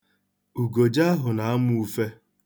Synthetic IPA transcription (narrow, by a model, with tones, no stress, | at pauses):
u˨ɡo˨d͡ʒa˦ɦʊ˨na˨˦a˦m˦u˦fe˦